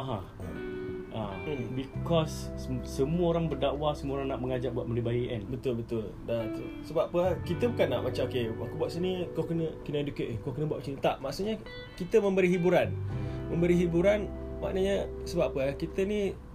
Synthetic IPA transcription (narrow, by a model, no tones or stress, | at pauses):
aɦã | abikɔsːəmuəoɾaŋbərdawasəmuəoɾaŋnaʔməŋad͡ʒaʔ̚buaʔ̪məndibajiʔɛ̰nbət̪ʊlbət̪ʊl | dak̪əsəbaʔpəakit̪əbukanːaʔmat͡ʃamokeakubuaʔsənikɔkənəkəndukəʔekɔkənəbuaʔsənət̪aʔmaʔsuʔɲa | kit̪əmə̃mbəɾiɦibuɾanmə̃mbəɾiɦibuɾanwa̰ʔnəɲasəbapəakit̪əni